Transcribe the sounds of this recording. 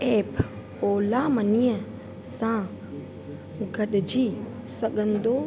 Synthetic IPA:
eːp | oːlamənijə | sã | ɡəɗd͡ʒiː | səɠənd̪oː

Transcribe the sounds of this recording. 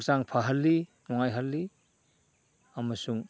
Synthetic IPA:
saŋpʰaɦɐlːinɔŋajɦɐlːi | amɐsuŋ

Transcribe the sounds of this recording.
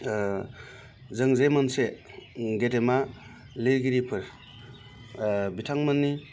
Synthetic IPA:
zɯŋzejmanse | ɡetema | liɾɡiɾipʰɯɾ | bitʰaŋmanːi

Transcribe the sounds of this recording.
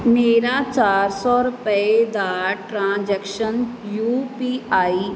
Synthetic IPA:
meːɾat͡ʃaːɾsɔɾʊpəd̪aːɾʈɾãːd͡ʑɛkʃənjuːpiaːi

